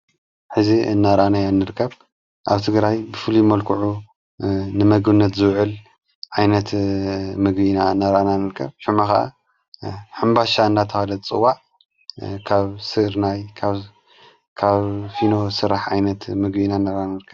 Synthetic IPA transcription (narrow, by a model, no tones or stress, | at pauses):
ħɨziɨnːaɾʔanajanːɨɾɨkʰːɐβ | ʔaβt̪ʰɨɡɾajbɨfɨlumɐlkʰɨʕu | nɨmɐɡɨnːɐt̪zɨβʕɨl | ʕajnɐt̪mɨɡbinaɨnːaɾananɨɾkʰːɐ̰βʃumaxɐʔa̰ | ħɨmbaʃaɨnːat̪ʰɐhalɐt͡sʼɨwːaʕ | kʰaβsɨɾnajkʰaβ | kʰaβfino̞sɨɾaħʕajnɐt̪mɨɡbinaɨnːaɾannɨɾkʰːɐ